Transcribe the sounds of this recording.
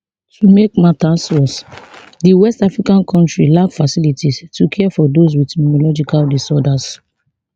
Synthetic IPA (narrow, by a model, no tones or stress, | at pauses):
tʰumek̚matasɔs | diwɛstafɹikãnkʰɔ̃ntɹilakfasilitistukʰɛɛfɔdos̬witɛminɔlɔd͡ʒikaldisɔdas